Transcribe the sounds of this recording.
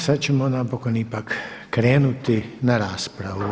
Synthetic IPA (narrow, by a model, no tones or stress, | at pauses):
sat͡ʃɛmɔnapɔkɔnipakːɾeːnut̪inaɾaːspɾaʋu